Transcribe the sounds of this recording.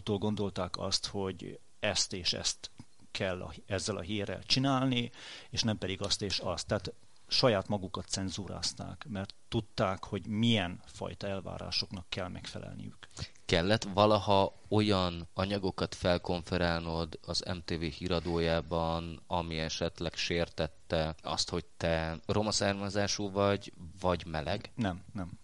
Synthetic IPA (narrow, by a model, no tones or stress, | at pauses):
ut̪oːlɡo̞nd̪o̞lt̪aːkɒ̰st̪ho̞ɟ | ɛst̪eːʃɛ̰st̪ | kʰɛlːɒ̰ɛzːɛlɒ̰ɦiːrːɛ̰lt͡ʃinaːlnieːʃnɛmpɛd̪iɡɒst̪eːʃɒst̪ːɛːt̪ | ʃɒjaːt̪mɒɡukɒt̪sɛnzuːɾa̰ːst̪a̰ːkmɛrt̪ːut̪ːaːkho̞ɟmijɛnfɒ̰jt̪ɒɛlva̰ːɾa̰ːʃo̞knɒkːɛlmʔɛ̰kfɛ̰lɛ̰lnḭjy̰k | kɛlːɛt̪vɒlɒhɒ | o̞jɒnɒɲɒɡo̞kɒt̪fɛlko̞ɱfɛɾaːlnod̪ɒzɛ̰mt̪eːveːhiːɾɒd̪oːjaːbɒnɒmiɛʃɛt̪lɛkʃeːrt̪ɛt̪ːɛɒ̰st̪ho̞ct̪ɛro̞mɒsɛrmɛzaːʃuvɒɟvɒɟmɛlɛɡnɛmnɛm